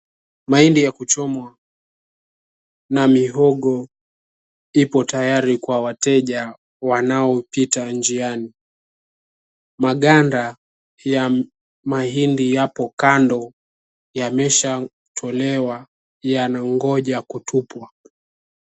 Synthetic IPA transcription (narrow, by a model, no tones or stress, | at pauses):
mahindijakut͡ʃɔmwa | namiɦɔɠɔ | ipɔtajaɾikwawatɛʄa | wanaɔpitand͡ʒiani | maɠanda | ja | maɦindijapɔkandɔ | jamɛʃa | tʰɔlɛwa | janaŋɡɔʄakutʰupwa